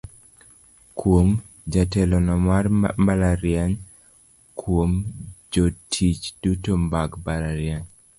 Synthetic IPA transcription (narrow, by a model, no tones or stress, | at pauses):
kwom | d͡ʒatɛlɔnɔmarmbalaɾjaɲ | kʰwomd͡ʒotʰit͡ʃd̥utombaɡbalaɾjaɲ